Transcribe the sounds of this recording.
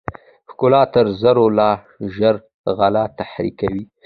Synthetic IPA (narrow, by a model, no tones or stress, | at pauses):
xkʊlɑt̪əɾzəɾolɑ | ʒəɾ | ɣalat̪ahɾḭkawi